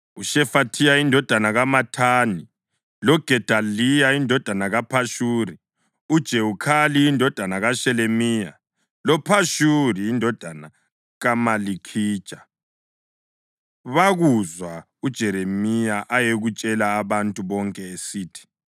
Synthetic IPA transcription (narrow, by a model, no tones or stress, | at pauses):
uʃɛfatʰijaindʱɔd̥ʱanaɣamatʰaːni | lɔɡ̥ʱɛd̥ʱalijaindʱɔd̥ʱanaɣapʰaʃuːɾi | ud̥ʒ̥ʱeukʰalijːndʱɔd̥ʱanaɣaʃɛlemiːja̰ | lɔpʰaʃuɾiːndʱɔd̥ʱana | ɣamalikʰiːd̥ʒ̥ʱa | βaɣuzwa | ud̥ʒ̥ʱɛɾemijaʔajeɣut͡ʃʼɛlaːβantʼuβɔŋkʼɛesiːtʰi̥